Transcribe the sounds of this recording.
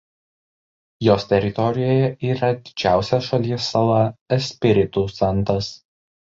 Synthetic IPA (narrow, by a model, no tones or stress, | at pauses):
joːst̪ʲɛɾʲɪt̪ɔɾʲɪjoːjɛʔiːɾɐd̪ʲɪd͡ʒʲæˑʊsʲɛsʃɐlʲiɛsːɐlˠɐɛsʲpʲɪɾʲɪt̪uːsɐnˑt̪ɐs